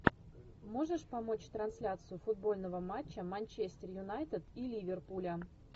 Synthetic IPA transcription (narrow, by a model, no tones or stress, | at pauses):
mo̞ʐɨʂpɐmo̞t͡ɕt̪ɾɐnsʲlʲat̪sɨjʊfʊd̪̚bo̞lʲnəvəmat͡ɕːəmɐnʲt͡ɕesʲt̪ʲɪrjʊnajt̪ət̪ilʲivʲɪrpulʲə